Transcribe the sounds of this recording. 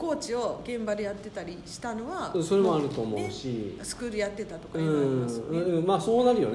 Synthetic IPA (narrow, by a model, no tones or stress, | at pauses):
ko̞ːt͡ɕio̞ɡẽ̞mbad̪e̞jat̪ːe̞t̪aɾʲiɕi̥t̪ano̞βaso̞ɾe̞moaɾɯ̟t̪o̞ːmo̞̰ɯ̟ɕisɨ̥kɯɾijat̪ːe̞t̪at̪o̞kaɯĩːmaɯ̃ɯ̃maːso̞ːnaɾɯ̟jo̞̰ne